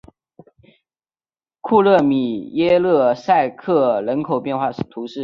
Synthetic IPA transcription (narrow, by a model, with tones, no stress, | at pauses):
kʰu˥˧lɤ˥˩mi˨˩jɛ˥lɤ˥˩sa˥˧ɪkʰɤ˥˩ɻə˧˥nkʰo˨˩ʊpjɛ˥˧nxwa˥˩˥t̪ʰu˧˥ʂɻ̩˥˩